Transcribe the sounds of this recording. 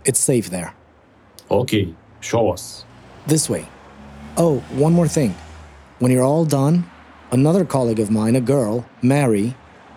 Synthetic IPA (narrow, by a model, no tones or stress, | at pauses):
ɨtseɪfðə̰˞ | okʰeɪ | ʃoʊʌsðɪsweɪ | oʊwʌ̃nmɔɹθɪ̃ŋwə̃njə˞ɔlˠdʌ̃n | ənʌðə˞kʰɑlˠiɡʌvmãɪ̃nɨɡɜ˞lˠmɛɹi